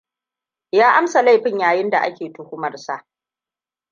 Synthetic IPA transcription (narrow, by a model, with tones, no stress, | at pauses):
jaː˦ʔa˦msa˨la˦jɸɪ˦˨ɲjaː˨jɪ˦nda˨ʔa˦kʲeː˨tʊ˨hʊ˦mɐ˨rsa˦ʔ